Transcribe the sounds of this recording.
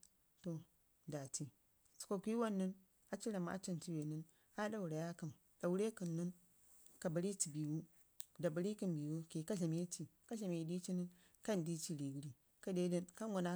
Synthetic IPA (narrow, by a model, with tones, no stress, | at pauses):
to˨ | da˨ti˨ | t͡ʃi̥˨ko˨ku˦i˦wa˦nːi˦n | a˨t͡ʃi˦ɾa˨m˦a̰˦t͡ʃi˦nti˦we˨ni˦n | a˦da˦wu˨ɾa˨ja˦kɨ˨m | d̥a˨wu˦ɾe˦kə˨nːɨ˦n | ka˨ba˨ɾi˦ti˨bi˨wu˦ | da˨ba˨ɾi˦kɨ˦nbi˨wu˦ke˨ka˦ɬa˨m˦je˦ti˨ka˦ɬa˨m˨e˨di˦t͡ʃi˦ni˦n | ka˦ndi˦t͡ʃi˦˨ɾi˨wu˦ɾi˦ | ka˦de˦də˦nka˦n˦ɡu˨na˦